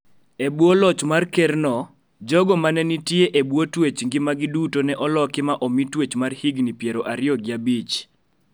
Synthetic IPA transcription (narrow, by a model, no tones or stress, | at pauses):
ebwolɔt͡ʃmarkɛrnɔ | d͡ʒɔɡɔmanɛnitjeʔebwotwet͡ʃŋɡɪmaɡɪdutonɛʔɔlɔkɪmaʔɔmitwet͡ʃmarhiɡnipjeɾoʔaɾɪjɔɡɪabit͡ʃ